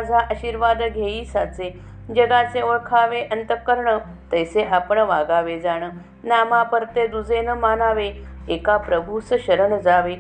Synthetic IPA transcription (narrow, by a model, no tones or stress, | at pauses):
ad͡zʱaʔəɕiːɾʋad̪ɡʱeiːsat͡se | d͡ʑəɡat͡seʋəɭkʰaʋeʔənt̪əkəɾɳə | t̪əjseʔapəɳʋaɡaʋed͡zaɽ̃ə | namapəɾt̪ed̪ud͡zʱenəmanaʋe | ekapɾəbʱusəɕəɾəɳd͡zaʋe